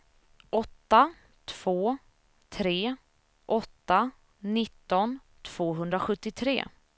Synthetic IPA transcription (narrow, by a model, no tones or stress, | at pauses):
ʔɔt̪ːa | t̪ʰv̥oː | t̪ʰɾeː | ʔɔt̪ːa | nɪt̪ːɔn | t̪ʰv̥oːɦɵnd̪ɾaɧɵt̪ːɪt̪ʰɾḛː